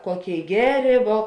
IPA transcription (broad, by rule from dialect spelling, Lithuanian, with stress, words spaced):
ˈkoːˌkʲeːɪ ˈɡʲæːˌrʲeː ʋuɔ